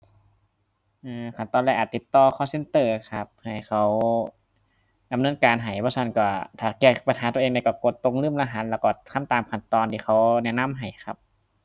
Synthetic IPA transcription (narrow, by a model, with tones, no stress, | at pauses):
ʔɯː˧kʰa˧˩nt̪ɔː˧nlɛ˧˩ʔaː˨˩t̪ːi˧˦t̪ːɔː˧˩kʰɔː˧˥˩se˧˨nt̪ɤː˧˩kʰa˧p̚ha˨˩jxʰa˧˥w | da˨mnɤː˧˥˨nkaː˨nɦa˨˩jbɔː˧sʰa˧˥˨nkɔː˧˩t̪ʰaː˨˩kɛː˧˩pa˧nhaː˨˦t̪u˧˨ʔeː˧ŋda˧˩˨kɔ˧˩ko˧˦t̪ːo˧˥ŋlɯː˧˥˩mla˧ɦa˧˦t̪̚lɛː˧˩wkɔː˧˩t̪ʰa˧˥˨mt̪aː˨mkʰa˧˩nt̪ɔː˧nt̪ʰiː˧˩xʰa˧˩wnɛ˧˨na˧˥˨mɦa˨˩jxʰa˧p̚